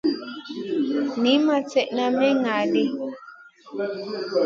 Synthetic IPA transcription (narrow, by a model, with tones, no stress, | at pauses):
nĩ˦mã˦t͡se˦ʔnãmẽ˦ŋa˨li˨